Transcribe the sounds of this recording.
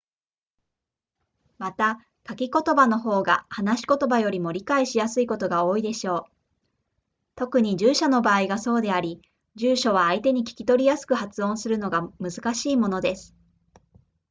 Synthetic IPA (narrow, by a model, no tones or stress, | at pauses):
mat̪a | kakʲiko̞t̪o̞bano̞ɦo̞ːɡa̰hanaɕi̥ko̞t̪o̞bajo̞ɾʲimo̞ɾʲikaiɕijasɨiko̞t̪o̞ɡao̞ːid̪e̞ɕo̞ː | t̪o̞kɯ̟ɲ̟id͡ʑɨːɕano̞baːiɡaso̞ːd̪e̞aɾʲi | d͡ʑɨːɕo̞β̞aːit̪e̞ɲ̟ikʲi̥kʲi̥t̪o̞ɾʲijasɨ̥kɯ̟hat͡sɨõ̞ɰ̃sɨɾɯ̟no̞ɡamɯ̟zɨkaɕiːmo̞no̞d̪e̞sɨ̥